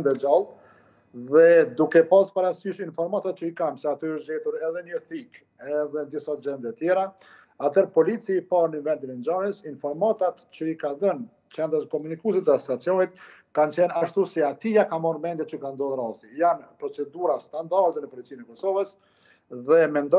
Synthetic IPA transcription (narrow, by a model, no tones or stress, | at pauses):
nd̪ɛd͡ʒalˠ | ðɛd̪ukɛpaspaɾasyʃinfɔɾmat̪at̪̚t͡ʃəikamsɛat̪yəʃd͡ʑɛt̪uɾɛðɛɲəθik | ɛðɛnd̪isad͡ʑɛnd̪ɛt̪jɛɾa | at̪ʰɛɾpɔlit͡siːpaɾnənvɛnd̪inɛnd͡ʒahəsinfɔɾmat̪at̪t͡ɕəikaðən | t͡ʃɛnd̪ɾəskɔmunikus̬it̪əast̪at͡sijɔnit̪̚kant͡ɕɛnaʃt̪usiat̪ijakamɔɾmɛnd̪ɛt̪t͡ɕəkand̪ɔðəɾast̪ijanpɾɔt͡sɛd̪uɾast̪and̪aɾd̪ɛnəpɔlit͡sinɛkɔsɔvəs | ðɛmɛnd̪ɔ